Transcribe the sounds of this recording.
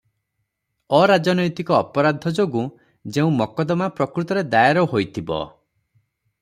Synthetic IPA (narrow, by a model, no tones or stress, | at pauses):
ɔɾad͡ʒɔnɔjt̪ikɔːpɔɾad̪ʱɔd͡ʒoɡu | d͡ʒeũmɔkɔd̪ɔmapɾɔkɾut̪ɔɾed̪ajaɾɔɦojt̪ʰibɔ̰